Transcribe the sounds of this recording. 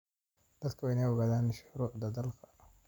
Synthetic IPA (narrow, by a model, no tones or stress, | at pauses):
d̪ɐd̪kʰɐwɪnɛjɔɣaːðaːnʃʊɾuːʕd̪ɐd̪ɐlkʰɐ̥